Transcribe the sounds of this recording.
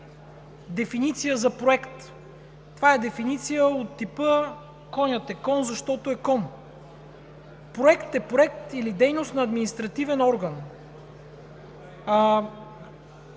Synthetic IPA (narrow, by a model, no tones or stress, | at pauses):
d̪ɛfinit̪sijəzɐpɾoɛkt̪ː | ovaɛd̪ɛfinit̪sijəot̪ːipə | kɔnʲət̪ɛkɔnzɐʃt̪ɔt̪oɛkɔn | pɾoɛkt̪ɛpɾoɛkt̪ilid̪ɛjnost̪nɐːd̪minist̪ɾɐt̪ivɛnɔɾɡən